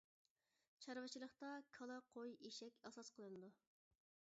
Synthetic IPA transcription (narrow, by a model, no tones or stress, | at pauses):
t͡ʃʰɑɾwɨt͡ʃʰilˠəχt̪ɑkʰɑlˠɑqʰojeʃɛkʲɑsɑsqʰəlˠɨnɨd̪u